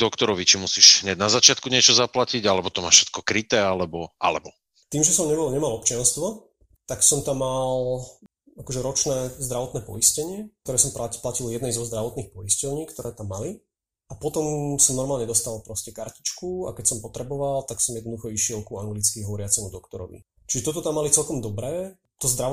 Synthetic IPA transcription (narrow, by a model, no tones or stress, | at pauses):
d̪ɔkt̪ɔɾɔʋit͡ʃimusiʒɦɲaɟnazat͡ʃɪat̪kuɲɪɛt͡ʃɔzaplaciɟalɛbɔt̪ɔmaːʃʃɛ̥t̪̚kɔkɾit̪ɛːalɛbɔʔa̰lɛbɔ | t̪iːmʒɛsɔmɲɛbɔlɲɛmalˠɔpt͡ʃɪanst̪ʋɔ | t̪aksɔmt̪amːal | akɔʒɛɾɔt͡ʃnɛːzd̪ɾaʋɔt̪nɛːpɔ̰iscɛɲɪɛk̚t̪ɔɾɛːsɔmpaplaciljɛd̪nɛjzɔzd̪ɾaʋɔt̪niːxpɔiscɔlɲiːkt̪ɔɾɛːt̪amːali | apɔt̪ɔmsɔmnɔɾmaːlɲɛd̪ɔst̪alpɾɔscɛkaɾcit͡ʃkuakɛcsɔmpɔt̪ɾɛbɔʋalt̪aksɔmjɛd̪ɔd̪uxɔiʃɪɛlkuaŋɡlit͡skiɦɔʋɔɾɪat͡sɛmud̪ɔkt̪ɔɾɔ̰ʋḭ | t͡ʃiʒɛt̪ɔt̪ɔt̪amːalit͡sɛlkɔmd̪ɔbɾɛː | t̪ɔzd̪ɾa